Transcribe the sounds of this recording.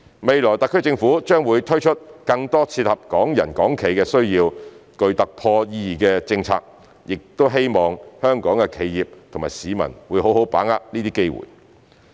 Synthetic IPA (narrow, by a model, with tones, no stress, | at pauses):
me˨jlɔː˨˩jt̪ɐ˨k̚ʰːɵ˥t͡sɪ˧ŋfuː˨˥t͡ʃœː˥ŋwuː˨˧jt̪ʰɵ˥ɥt͡ʃʰɵ˥t̚kɐ˧ŋt̪ɔː˥t͡sʰiː˧t̚hɐ˨p̚kɔː˨˥ŋjɐ˨˩nkɔː˨˥ŋkʰe˨˩jkɛː˧sɵ˥ɥjiː˧wkɵ˧ɥt̪ɐ˨k̚pʰɔː˧jiː˧jiː˨˩kɛː˧t͡sɪ˧ŋt͡sʰa̰ː˧k̚ | jɪ˨k̚t̪o˥wɦe˥jmɔː˨ŋhœː˥ŋkɔː˨˥ŋkɛ˧kʰe˨˧jjiː˨˩p̚t̪ʰo˨˩maː˨˩siː˨˧mɐ̰˨˩nwuː˨˧jɦo˨˥who˨˥wpa̰ː˨˥ŋa̰ː˥p̚niː˥t̪iː˥ke˥jwṵː˨˩j